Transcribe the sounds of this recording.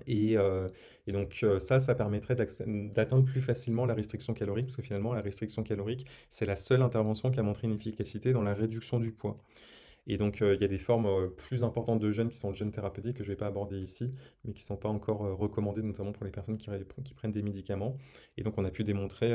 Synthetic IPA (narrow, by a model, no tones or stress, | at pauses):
eø | ed̪ɔ̃kʰøsas̬apɛʁmɛt̪χɛd̪asɛd̪at̪ɛ̃d̪ʁplyfasilmɑ̃laʁest̪χiksjɔ̃kalɔʁik̚pḁskəfinalmɑ̃laʁɛst̪χiksjɔ̃kalɔʁiksɛlasœlɛ̃t̪ɛʁvɑ̃sjɔ̃k̬ʲiamɔ̃t̪χeynefikʲasit̪ed̪ɑ̃laʁed̪yksjɔ̃d̪ypwa | ed̪ɔ̃kʰøiljad̪efɔʁmøplyzɛ̃pɔʁt̪ɑ̃t̪̚d̪əʒœnkʲi̥sɔ̃əʒœnt̪eʁapøt̪ikːəʒəvɛpaːbɔʁd̪eisimɛkʲi̥sɔ̃paɑ̃kɔʁøʁəkɔmɑ̃d̪enɔt̪amɑ̃puʁlepɛʁsɔnkʲiʁkʲi̥pχɛnd̪emed̪ikamɑ̃ed̪ɔ̃kɔ̃napyd̪emɔ̃t̪χe